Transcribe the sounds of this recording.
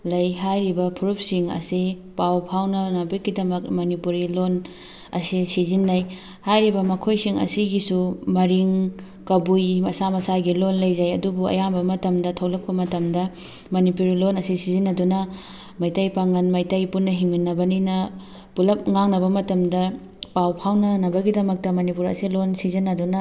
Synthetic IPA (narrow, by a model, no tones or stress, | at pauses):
lɐjɦajɾibɐpʰuɾup̚siŋɐ̰sipawpʰawnɐnɐbekɡidɐmɐk̚mɐnipuɾilon | ɐsisizinːaj | hajɾibɐmɐkʰojsiŋɐ̰siɡisumɐɾiŋ | kɐbujmɐsamɐsaɡilonlɐjzajɐdubuɐ̰jambɐmɐtɐmdɐtʰɐwlɐk̚pɐmɐtɐmdɐ | mɐnipuɾilonɐsisizinːɐdunɐ | majtajpaŋɐnmajtɐjpunːɐɦiŋminːɐbɐninɐ | pulɐp̚ŋaŋnɐβɐmɐtɐmdɐ | pawpʰawnɐnɐbɐɡidɐmɐk̚tɐmɐnipuɾɐ̰silonsizinːɐdunɐ